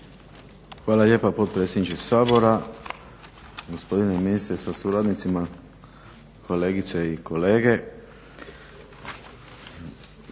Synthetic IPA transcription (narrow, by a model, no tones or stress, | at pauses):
xʋaːlaljeːpapo̞t̪̚pɾet̪sʲjed̪nit͡ʃesaːbo̞ɾa | ɡospo̞d̪ineminist̪ɾesasuɾad̪nit̪sima | kʰo̞leːɡit̪seiko̞leːɡe̞